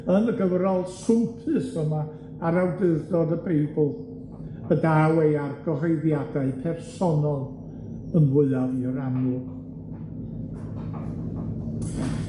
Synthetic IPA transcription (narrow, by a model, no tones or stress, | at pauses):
ənəɡəvrɔlˠsʊmpʰɨsəmaː | ɾawdɨðdɔdəbejbʊl̩ˠ | ədawejarɡɔɦɔjðjadaɨpʰɛrsɔnɔlˠ | ənwɪɨaviəɾanʊ